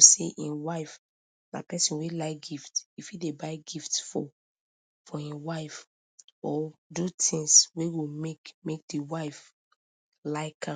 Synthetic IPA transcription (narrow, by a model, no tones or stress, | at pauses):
seʔĩnwaɪf | na̰pɛsĩnwelaɪk̚ɡiftifidebaɪɡiftfɔ̰ | fɔĩnwaɪf | ɔdutʰĩŋsweɡomekmek̚diwaɪf | laɪkʰã